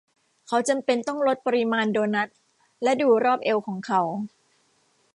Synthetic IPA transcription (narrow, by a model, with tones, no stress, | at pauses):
kʰa˦˥wt͡ɕa˧mpe˧nt̪ɔ˥˩ŋɾo˦˥t̪̚pa˧ɾi˦˥maː˧ndoː˧jna˦˥t̪̚ | lɛ˦˥duː˧ɾɔː˥˩p̚ʔe˧wkʰɔː˩˦ŋkʰa˨˦w